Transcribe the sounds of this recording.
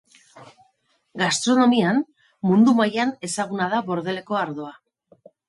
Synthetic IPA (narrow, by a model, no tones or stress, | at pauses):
ɡast̪ɾo̞no̞mian | mund̪umajane̞saɣ̞unað̞aβo̞ɾð̞e̞le̞ko̞aɾðo̞a